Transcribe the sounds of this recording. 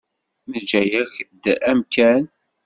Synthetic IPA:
məd͡ʒæjəçd̪æmkæn

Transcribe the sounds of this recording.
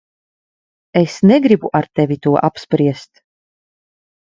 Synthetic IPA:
esnɛɡɾibuʔaɾt̪ɛvit̪uɔʔapspɾiɛst̪

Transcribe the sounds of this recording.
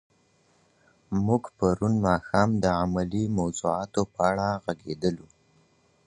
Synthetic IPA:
muɡpaɾunmɑxɑmd̪əamalimawzuɑt̪opəaɽaɣaɡed̪əlu

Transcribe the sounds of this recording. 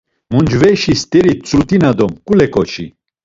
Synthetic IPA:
mund͡ʒvɛʃist̪ʼɛɾit͡sʼɾut̪inad̪ɔmkʼulɛkʼɔt͡ʃʰḭ

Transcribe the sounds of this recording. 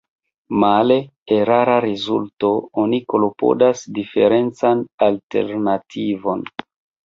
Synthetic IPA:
male̞ | eɾaɾaɾezulto̞onikolopo̞̰dasdife̞̰ɾe̞nt͡sanalte̞̰ɾnatʰivo̞n

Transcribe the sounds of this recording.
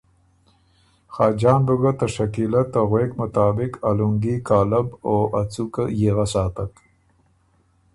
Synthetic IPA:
xaːd͡ʒɑːnbuɡat̪aʂakilat̪ːaɣweːkmʊt̪aːbɪkaluŋɡikaːlaboʔat͡sukajeɣasɑːt̪ak

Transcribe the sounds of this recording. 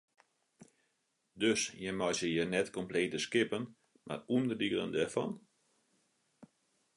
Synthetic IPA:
døsjəmɔsjəjənɛtkɔmpleːtəskɪpən | ma̰rundərdiɡələ̰ndɛrfɔ̰n

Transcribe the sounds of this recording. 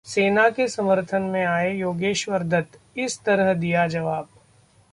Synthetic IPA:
seːnakesɐməɾt̪ʰənmẽaːejoːɡeːʃʋəɾd̪ʱət̪ | ɪst̪ɐɾəɦd̪ijad͡ʒɐʋaːb̚

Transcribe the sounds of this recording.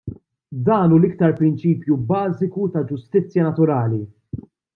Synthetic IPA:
d̪ɐːnuːlɪkt̪ɐɾpɾɪnt͡ʃiːpjubɐːzɪkut̪ɐd͡ʒʊst̪ɪt͡sːjɐnɐt̪ʊɾɐːli

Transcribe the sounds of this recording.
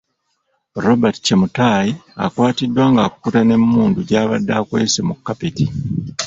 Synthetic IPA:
ɾobatcemutaːjia̰kwaːtidwaːŋɡaːkukutane̞mːuːnduɟaːβadːakwe̞ːse̞mukːapeti

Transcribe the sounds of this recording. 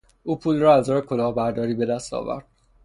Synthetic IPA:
ʔuːpʰuːlrɒːæzzɒːɾekʰo̞lɒːbæɾd̪ɒːɾiːbe̞d̪æst̪ɒ̰ːvæ̰ɾd̪̥̚

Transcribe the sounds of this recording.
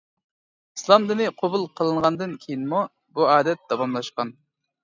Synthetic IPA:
islˠɑmd̪ɨnɪqʰobulˠqʰəlˠɨɴʁɑnd̪ɨnkʲʰejinmu | buɑːd̪ɛt̪̚d̪̥ɑwɑmlˠɑʃqɑn

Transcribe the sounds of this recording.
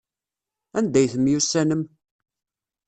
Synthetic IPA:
ænd̪æjθəmːjusːænəm

